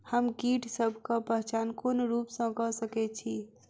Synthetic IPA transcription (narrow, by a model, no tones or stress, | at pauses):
həmɡiʈʰsəbʱkapəɦt͡ʃaːnkonɾupsə̃kəsəkɛt͡ʃʰi